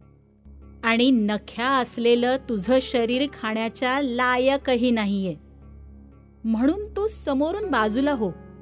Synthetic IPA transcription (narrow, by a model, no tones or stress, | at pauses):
aɽ̃inəkʰjaəslelət̪ud͡zʱəːɕəɾiːɾkʰaɳjat͡ɕjalajəkəɦiːnaɦije | m̤əɽ̃uːnt̪osəmoɾuːnbad͡zulaɦo